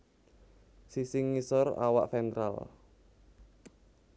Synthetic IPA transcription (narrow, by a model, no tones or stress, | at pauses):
sisɪŋːisɔra̰wa̰ʔfɛnt̪ɾa̰l